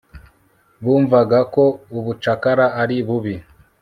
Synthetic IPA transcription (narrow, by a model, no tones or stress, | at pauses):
βuːɱvaɡako̞uβut͡ʃakaɾaaɾiβuβi